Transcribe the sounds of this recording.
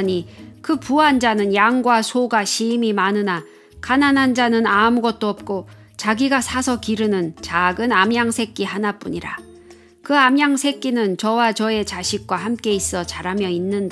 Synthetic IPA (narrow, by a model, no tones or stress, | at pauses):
ɲikɯpuand͡ʑanɯnjaŋɡwasʰoɡaɕʰimimanɯna | kananɦand͡ʑanɯnamuɡʌt̚t͈oʌp̚k͈o | t͡ɕaɡiɡasʰasʰʌkiɾɯnɯnt͡ɕaɡɯnamjaŋsʰe̞k͈iɦanap͈uɲiɾa̰ | kɯamjaŋsʰe̞k͈inɯnt͡ɕʌwat͡ɕʌe̞t͡ɕaɕʰik̚k͈wahamk͈e̞is͈ʌt͡ɕaɾamjʌinːɯnda